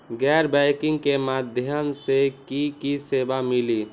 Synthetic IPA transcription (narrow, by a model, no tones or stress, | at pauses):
ɡɛɾbɛjkiŋɡkemad̪ʱjənsekikisebamili